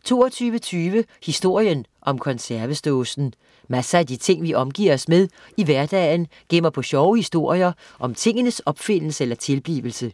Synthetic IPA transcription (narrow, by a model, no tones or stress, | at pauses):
t͡sʰo̝̰ːɒt͡sʰyːʋət͡sʰyːʋəhisd̥o̝ɐ̰jənʔɒ̽mkʰɒ̽nsæɐʋəsd̥oːsn̩ | mæsəæd̥it͡sʰe̝ŋ̰ʋiʔɒ̽mɡ̥ḭːɐɒ̽smeðˠ | iʋæɐd̥ɛ̰ːɪnɡ̥em̰ɐpʰɒ̽ɕɒʊhisd̥o̝ɐ̰jɐ | ʔɒ̽mt͡sʰe̝ŋ̰ənəsɒ̽b̥fe̝n̰l̩səelɐt͡sʰe̝lb̥lḭːʋl̩sə